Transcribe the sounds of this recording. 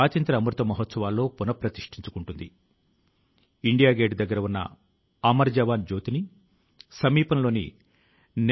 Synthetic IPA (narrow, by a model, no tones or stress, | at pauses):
aːt̪jɐnt̪ɾɐːmɾut̪ʋɐmɐɦɔt̪sɐʋaːlːo̞ːpunɐpɾɐt̪iʂʈiɲt͡ʃukuɳʈund̪i | iɳɖijaːɡeːɖd̪ɐɡːɐɾɐʋunːɐ̰ | ɐmɐɾd͡ʒɐʋaːnd͡ʒoːt̪ini | sɐmiːpɐnloːnḭ | n